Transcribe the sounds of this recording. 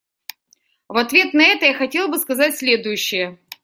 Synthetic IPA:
vɐt̪vʲe̞t̪nɐɛt̪əjaxɐtʲe̞lˠbɨskɐzatʲsʲlʲe̞d̪ʊjʉɕːɪjə

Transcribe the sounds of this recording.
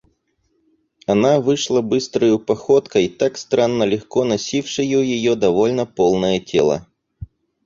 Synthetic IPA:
ɐnavɨʂlˠabɨst̪ɾəjʊpɐxot̪kəit̪akst̪ɾanːəlʲɪxko̞nɐsʲifʂɨjʊjɪjod̪ɐvolʲnəpolˠnəjətʲelˠə̰

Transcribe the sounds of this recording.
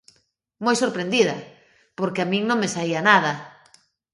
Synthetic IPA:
mojsoɾpɾend̪iðɐ̰ | poɾkɪamĩŋnõŋmesaiɐnaðɐ

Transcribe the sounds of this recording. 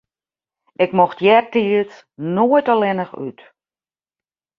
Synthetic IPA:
ʔɪkmɔxtjɛrtiət͡s | noəjtɔlɛnəxy̰t

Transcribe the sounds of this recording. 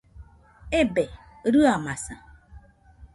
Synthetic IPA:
ebe | ɾɨamasa

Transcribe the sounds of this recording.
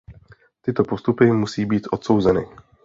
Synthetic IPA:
t̪ɪt̪opost̪upɪmusiːbiːt̪ʔot̪so̞wzɛnɪ

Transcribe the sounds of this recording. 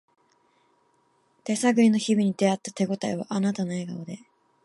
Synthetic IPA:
t̪e̞saɡɯ̟ɾʲino̞çibʲiɲ̟id̪e̞at̪ːḁt̪e̞ɡo̞t̪aiβa̰ʔanat̪ano̞e̞ɡaod̪e̞

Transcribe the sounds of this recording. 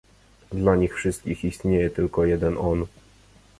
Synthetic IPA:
d̪laɲixfʂɘst̪̚kʲixist̪ɲejɛt̪ɘlkɔjɛd̪ɛnɔn

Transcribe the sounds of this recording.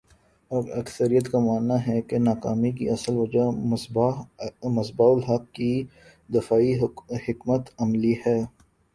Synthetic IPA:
ɐɡɐksəɾijət̪kamaːnːaɦɛkenaːkaːmikḭʔɐsəlʋɐd͡ʒa | mɐsbaːʊlɦɐqːi | d̪ɪfaːihɪkmət̪ɐmlihɛː

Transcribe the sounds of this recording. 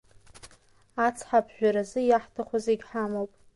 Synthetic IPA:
at͡sʰħapʰʒᶣʷaɾazɨjaħtʰaχʷazeɡʲħamowpʼ

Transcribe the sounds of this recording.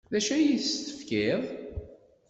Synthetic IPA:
ðæʃæjiθst̪ə̥fkiðˤ

